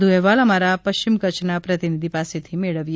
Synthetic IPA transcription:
d̪ʱuɛʋaləmaɾapəʃt͡ʃimkət͡ʃnapɾət̪inid̪ʱipaset̪ʰimeɭəʋj

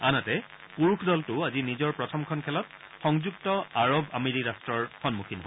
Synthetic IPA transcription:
anatɛ | puɹukʰdɔltʊazinizɔɹpɹɔtʰɔmkʰɔnkʰɛlɔt̚ | xɔŋzuk̚tɔaɹoba̰meɹiɹastɹɔɹxɔnmukʰinɦɔ

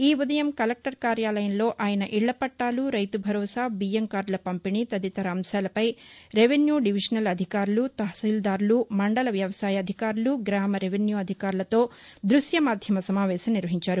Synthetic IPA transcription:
iːud̪ɐjɐmkɐlek̚ʈɐɾkaːɾjaːlɐjɐnlo̞ːʔaːjɐnɐʔiɭːɐpɐʈːaːluɾɐjt̪ubʱɐɾɔːsaːbijɐmkaːɾlɐpɐmpinit̪ɐd̪it̪ɐɾaːmsaːlɐpɐjɾeʋenjuːɖiʋiʂɐnɐlɐd̪ʱikaːɾulut̪ɐɦsiːld̪aːɾulumɐɳɖɐlɐʋjɐʋɐsaːjɐɐd̪ʱikaːɾuluɡɾaːmɐɾeʋenjuːɐd̪ʱikaːɾulɐt̪o̞ː | d̪ɾusjɐmaːd̪ʱjɐmɐsɐmaːʋɛːʃɐmniɾʋɐɦiɲt͡ʃaːɾu

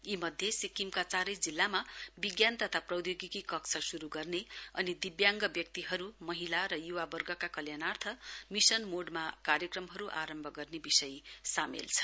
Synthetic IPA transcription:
imʌd̪ʱjesikimkat͡saɾʌjd͡zilːamabiɡjant̪ʌt̪ʰaprʌwd̪joɡikikʌkt͡sʰʌsuɾuɡʌrneʌnid̪ibjaŋɡʌbjʌk̚t̪iɦʌɾumʌɦilaɾʌjuwabʌrɡʌkakʌljanart̪ʰʌmisʌnmoɖmakaɾjʌkrʌmɦʌɾuʔa̰ɾʌmbʱʌɡʌrnebisʌjsamḛlt͡sʰʌ̥

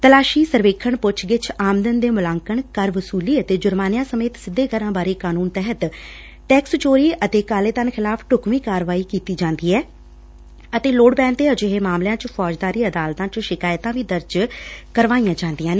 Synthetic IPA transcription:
t̪əlaːʃiːsəɾʋeːkʰːəɳpʊt͡ʃʰɡɪt͡ʃʰaːmd̪ənd̪eːmʊlaːŋkəɳkəɾʋʊsuːliːət̪eːd͡ʒʊɾmaːnɪjãːsəmeːt̪sɪd̪ːeːkəɾãːbaːɾeːkaːnuːnt̪ɛɦət̪ | ʈɛːkst͡ʃoːɾiːʔət̪eːkaːleːt̪ənxʰɪlaːpʰʈʊkmiːkaːɾʋaːiːkiːt̪iːd͡ʒãːnd̪iːɛː | ət̪eːloːɖbɛ̃ːnt̪eːəd͡ʒɪɦeːmaːmljãːt͡ʃpʰɔːd͡ʒd̪aːɾiːəd̪aːlt̪ãːt͡ʃʃɪkaːjt̪ãːʋiːd̪əɾd͡ʒkəɾʋaːijãːt͡ʃãːnd̪ɪjãːneː

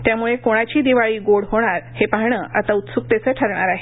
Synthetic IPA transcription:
t̪jamuɭekoɽ̃at͡ɕiːd̪iʋaɭiːɡoɽɦoɽ̃aɾhepaɾɳəːʔa̰t̪aut̪suk̚t̪et͡səʈʰəɾɳ̃aɾaɦe

